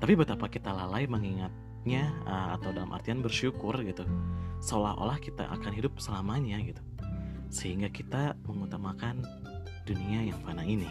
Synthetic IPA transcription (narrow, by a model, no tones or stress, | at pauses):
t̪apibət̪apakit̪alalaiməŋiŋat̪̚ | ɲaəa̰t̪awdalamʔa̰rt̪ianbərʃukʊrɡit̪usəolaɦʔo̰lahkit̪a̰ʔa̰kanɦidʊp̚səlamaɲaɡit̪u̥ | səɦiŋɡakit̪aməŋut̪amakan | d̥uniajaŋfanaini